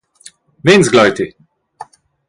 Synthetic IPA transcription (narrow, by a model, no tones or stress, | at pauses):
nenzɡlajt̪i